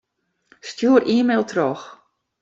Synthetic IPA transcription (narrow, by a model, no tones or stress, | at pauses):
stjuːərʔiːmeːlˠtʰrɔx